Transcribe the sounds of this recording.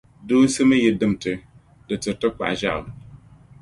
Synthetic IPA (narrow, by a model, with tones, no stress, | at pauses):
doː˦n˦sɨ˦mɨ˦jɛ˨dɨ˦m˨tɨ˦ | dɨ˨tɨ˨tɨ˦k͡pa̰˨ʔʒa̰˦ʔ